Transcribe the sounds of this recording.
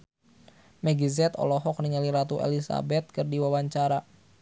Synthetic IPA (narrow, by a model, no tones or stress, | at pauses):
mɛɡizɛt̪ɔ̰lɔɦɔk̚niŋaliɾat̪uʔḛlisa̰bɛt̪̚kɨrdiwawaɲt͡ʃaɾa